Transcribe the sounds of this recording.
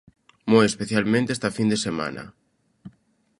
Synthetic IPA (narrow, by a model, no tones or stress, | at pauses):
mojespeθjalmẽnt̪est̪afind̪esemã̰nɐ̰